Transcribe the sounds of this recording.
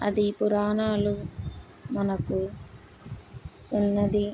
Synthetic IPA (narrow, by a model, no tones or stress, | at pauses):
ɐ̰d̪ipuɾaːnaːlu | mɐnɐku | sunːɐd̪i